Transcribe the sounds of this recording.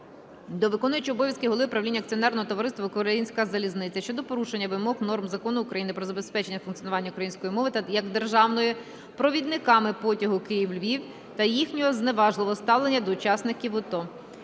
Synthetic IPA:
d̪ɔʋɪkɔnʊjɐt͡ʃɪɔbɔʋʲjɐskɪɦɔlˠɪpɾɐʋlʲinʲːɐk̚t͡sʲiɔnɛrnɔɦɔt̪ɔʋɔɾɪst̪ʋɐkɔɾɐinʲsʲkɐzɐlʲiznɪt͡sʲːɐʃt͡ʃɔd̪ɔpɔɾuʃenʲːɐʋɪmɔɣnɔrmzɐkɔnʊʊkɾɐjinɪpɾɔzɐbe̞spɛt͡ʃenʲːɐfʊnkt͡sʲijɔnʊʋɑnʲːɐʊkɾɐjinʲsʲkɔjimɔʋɪt̪jɐɡd̪erʒɑʋnɔji | pɾɔʋʲid̪nɪkɑmɪpɔtʲɐɦʊkɪjiwlʲʋʲiw | t̪ɐjixnʲɔɦɔzneʋɑʒlɪʋɔst̪ɑʋlˠenʲːɐd̪ɔʊt͡ʃɑsnɪkʲiwɔt̪ɔ

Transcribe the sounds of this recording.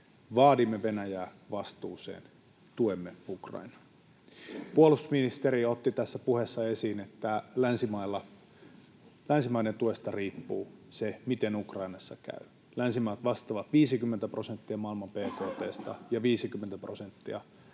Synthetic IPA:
ʋɑːdimːeʋenæjæː | ʋɑst̪uːsḛːn | t̪uemːeukrɑ̰inɑ | puolusminist̪eɾiot̪ːit̪æsːæpuhesːɑesiːnet̪ːælænsimɑilːɑ | lænsimɑinent̪uest̪ɑriːpːuːsemit̪enukrɑinɑsːɑkæ̰y | lænsimɑːt̪ʋɑst̪ɑʋɑt̪ʋiːsikymːent̪æprosent̪ːiɑmɑilmɑmpeːkoːt̪eːst̪ɑjɑʋiːsikymːent̪æprosent̪ːiɑ

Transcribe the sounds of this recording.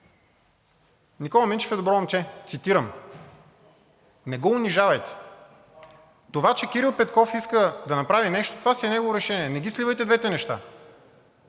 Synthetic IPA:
nikɔlˠɐmint͡ʃɛ̥fɛd̪obɾɔnt͡ʃɛt̪sit̪iɾəm | nɛɡɔʊniʒavɐjt̪ɛ̥ | t̪ovat͡ʃɛkiɾilˠpɛt̪kɔfiskəd̪ɐnɐpɾavinɛʃt̪o̥t̪ovasiɛnɛɡovoɾɛʃɛniɛnɛɡʲislʲivəjt̪ɛd̪vɛt̪ɛnɛʃt̪a̰

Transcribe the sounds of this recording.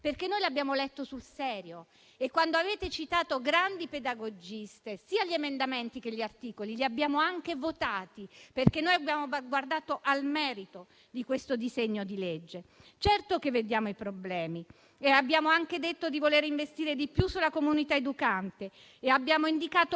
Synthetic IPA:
perk̟enːojlabːjaːmolɛt̪ːosulsɛːɾjo | ekːwand̪oaveːt̪et͡ʃit̪aːt̪oɡɾand̪iped̪aɡod͡ʒist̪esiːaʎiemend̪ament̪ik̟eʎːiart̪iːkoliliabːjaːmoaŋk̟evot̪aːt̪iperk̟enːojabjaːmoɡward̪aːt̪oʔalmɛːɾit̪o | d̪ikwest̪od̪izeɲːod̪iled͡ʒːet͡ʃɛrt̪okevːed̪jaːmoipɾoblɛːmi | eabːjaːmoaŋked̪et̪ːod̪ivoleːɾiɱvest̪iːɾed̪ipjusːulakomunit̪aed̪ukant̪eː | abːjaːmoind̪ikaːt̪o

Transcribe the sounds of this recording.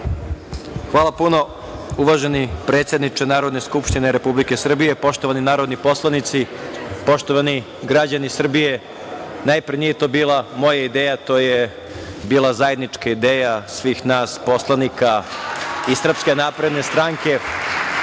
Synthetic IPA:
xʋaːlˠapuno̞ | uʋaʒe̞nipɾe̞ːt̪sjed̪nit͡ʃenaːɾo̞d̪ne̞skupʃt̪ineɾe̞publike̞sr̩bijepo̞ʃt̪oʋaninaːɾo̞d̪nipo̞slˠanit̪sipo̞ʃt̪oʋani | ɡɾad͡ʑanisr̩bije̞ | naːjpɾnijet̪o̞biːlˠamo̞jaid̪eːjat̪o̞ːje | biːlˠazaje̞d̪nit͡ʂkaid̪eːjasʋiːxnaːspo̞slˠanika | isr̩pskenaːpɾe̞d̪ne̞st̪ɾaːŋke̞

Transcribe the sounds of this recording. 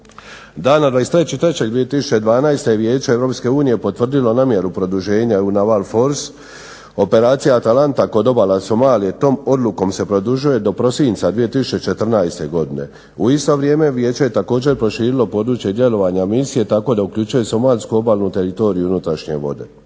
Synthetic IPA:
d̪aːnad̪ʋaːest̪ɾet͡ɕit̪ɾe̞t͡ɕeɡ̚d̪ʋije̞t̪isu̥t͡ʃe̞d̪ʋaːnajst̪eeʋje̞ːt͡ɕeevɾo̞ːpske̞uːnije̞po̞t̪ʋr̩d̪ilo̞namje̞ɾupɾo̞d̪uʒe̞ːɲaunaʋalfo̞ɾs | o̞pe̞ɾaːt̪sijaat̪alant̪ako̞d̪o̞balaso̞maːlije̞t̪o̞ːmo̞d̪lˠuko̞mse̞pɾo̞d̪uʒuje̞d̪o̞pɾo̞sinʲt̪sad̪ʋije̞t̪isu̥t͡ɕe̞t͡ʃe̞t̪r̩najst̪e̞ɡo̞d̪ine̞̰ | uist̪o̞ʋɾje̞ːme̞ʋje̞ːt͡ɕe̞jet̪ako̞ːd͡ʑe̞ɾpɾo̞ʃiːɾilo̞po̞ːd̪ɾuːt͡ɕje̞d̪je̞lo̞ʋaɲamisije̞t̪ako̞d̪aukʎʲut͡ʃujeso̞maːʎskuo̞baːlˠnut̪e̞ɾit̪o̞ːɾijuunut̪ɾaʃɲe̞̰ʋo̞̰d̪e̞̰

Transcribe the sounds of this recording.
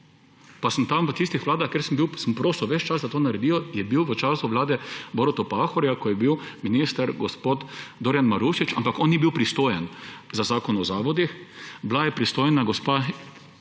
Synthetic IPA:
pasəmt̪amʋət̪ist̪ixʋlaːd̪axkeɾsəmbiwsəmpɾoːsuwʋɛt͡ʃt͡ʃasd̪at̪oːnaɾɛd̪iːɔjɛbiwʋət͡ʃaːsʊʋlaːd̪ɛboɾɔt̪ɔpaxɔɾjakɔjɛbiwminist̪əɾɡɔspoːt̪d̪oːɾjanmaɾuʃit͡ʃa̰mpakɔnːibiwpɾist̪oːjɛnzazaːkɔnɔzaːʋɔd̪ixblajɛpɾist̪ojnaɡɔspa

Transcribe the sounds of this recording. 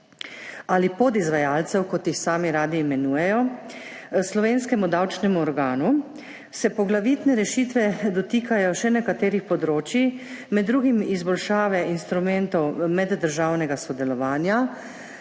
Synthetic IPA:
alipod̪izʋajaːlt̪sɛwkɔt̪jixsaːmiɾaːd̪iːmɛnuːjɛjɔ | slɔʋeːnskɛmud̪awt͡ʃnɛmuɔɾɡaːnu | sɛpɔɡlaʋiːt̪nɛɾɛʃiːt̪ʋɛd̪ɔt̪iːkʰajɔʃɛnɛkat̪eːɾixpɔd̪ɾoːt͡ʃimɛd̪ːɾuːɡimizbɔlʃaːʋɛinst̪ɾumɛnt̪ɔwmɛd̪ːəɾʒaːwnɛɡasɔd̪ɛlɔʋaːnja

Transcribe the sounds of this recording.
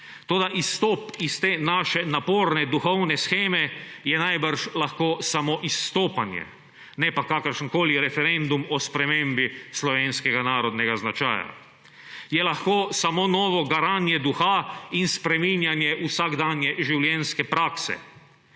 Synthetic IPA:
t̪oːd̪aʔist̪ɔːpist̪eːnaːʃɛnapoːɾnɛd̪uxɔwnɛsxeːmɛjɛnajbəɾʃlaxkoːsamɔʔist̪oːpanjɛ̰ | nɛpakakəɾʃənkoːliɾɛfɛɾend̪umɔspɾɛmembislɔʋeːnskɛɡanaːɾɔd̪nɛɡaznat͡ʃa̰ːja̰ | jɛlaxkoːsamoːnɔːʋɔɡaɾaːnjɛd̪uxainspɾɛminjanjɛʔusaɡd̪anjɛʒiwljɛnskɛpɾaːksɛ̰

